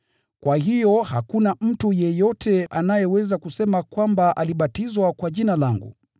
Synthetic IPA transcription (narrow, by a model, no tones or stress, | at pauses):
kwaɦijɔhakunam̩tujɛjɔtʰɛʔanajɛwɛzakusɛmakwambaʔaliɓatizwakwaʄinalaŋɡṵ